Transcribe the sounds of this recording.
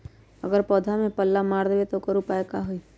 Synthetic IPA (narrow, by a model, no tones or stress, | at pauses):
əɡəɾpɔːd̪ʱamẽpəlːamaːɾd̪eʋet̪okəɾupaːekaɦʊi